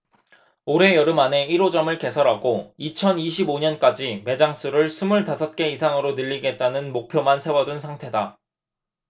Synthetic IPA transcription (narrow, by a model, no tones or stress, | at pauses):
oɾe̞jʌɾɯmane̞iɾod͡ʑʌmɯɭke̞sʰʌɾɦaɡoit͡ɕʰʌniɕ̬ʰiboɲʌnk͈ad͡ʑime̞d͡ʑaŋs͈ʰuɾɯɭsʰumuɭtasʰʌt̚k͈e̞isʰaŋɯɾonɯʎːiɡe̞t̚t͈anɯnmok̚pʰjomansʰewʌdunsʰaŋtʰe̞da